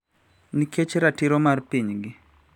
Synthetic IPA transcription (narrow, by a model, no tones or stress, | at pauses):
niket͡ʃɾatiɾɔmarpiɲɡɪ